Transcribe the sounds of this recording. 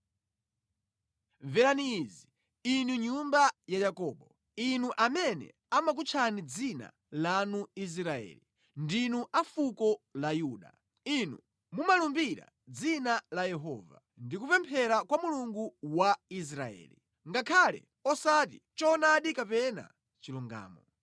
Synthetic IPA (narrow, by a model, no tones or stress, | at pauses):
vɛɾanizi | inuɲumbajajakɔːɓɔ | inuʔamɛnɛ̰ | amak̬ut͡ʃʰanid͡zina̰ | lanuis̬ɾaɛ̰ːli | ndinuʔafukɔlajuːɗa̰ | inu | mumalumbiɾa̰ | d͡zinalajɛɦɔ̰ːva̰ | ndikupɛmpʰɛɾakwamuluŋɡuwais̬ɾaɛ̰ːlḭ | ŋɡakʰalɛ̰ | ɔsatḭt͡ʃɔnaɗikapɛna̰ | t͡ʃiluŋɡa̰ːmɔ